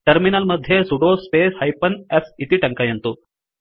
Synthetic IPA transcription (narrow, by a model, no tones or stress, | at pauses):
ʈɐɾminalməd̪ʱjesuɽospeːshajpənesit̪iːʈɐŋkajɐnt̪uː